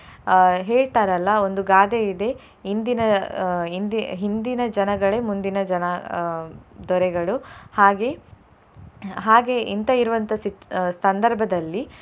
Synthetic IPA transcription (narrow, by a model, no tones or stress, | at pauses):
ɦeːɭt̪aːɾɐlːɐo̞nd̪uɡaːd̪eid̪e̞ | ɦind̪inɐɦind̪iɦind̪inɐd͡ʒɐnɐɡɐɭe̞mund̪inɐd͡ʒɐnɐ | d̪ɔɾɛɡɐɭuhaːɡe̞ | ɦaːɡe̞ʔint̪ɐiɾuʋɐnt̪ɐsisɐnd̪ɐɾbʱɐd̪ɐlːi